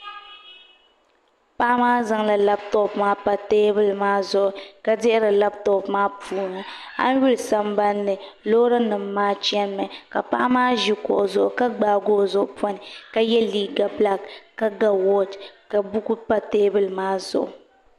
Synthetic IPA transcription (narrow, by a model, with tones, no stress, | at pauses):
pa˦ʔa˦maː˦za˦ŋla˨la˦b̚tɔ˦pmaː˦pa˨teː˦bɨ˦lmaː˦zʊ˨ʔʊ˨ka˦dɪ˦ʔɪ˦ɾa˨la˦b̚tɔ˦pmaː˦pʰuː˦˨˦nʊ˨ | a̰˦n˦ɥu˦lsa˦mba˦nːɨ˨ | loː˦ɾa˦nɨ˨m̩ː˦aː˦t͡ʃɛ˦n˦mɛ˨ka˨pa̰˦ʔa˦maː˦ʒi˦kɔ̰˨ʔʊ˨zʊ˨ʔʊ˨ka˦ɡ͡baː˨ɡoː˦˨zʊ˦ʔʊ˦pʰɔ˦nɪ˨ka˦jɛ˦liː˦ɡa˨bla˦kːa˦ɡa˨wɔ˦dka˨bu˦ku˦pa˦teː˦bɨ˦lmaː˦zʊ̰˨ʔʊ˨